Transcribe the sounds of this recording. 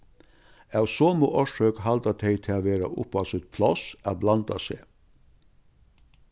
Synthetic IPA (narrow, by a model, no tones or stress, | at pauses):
ɑʊsoːmṵːʔɔʃøːkhɑld̪ɑt̪ʰeɪt̪ʰeɑʋeːɾa̰ʔʊ̰pɑsɔɛt̪̚pʰlɔsʔæ̰blɑnd̪ɑsḛː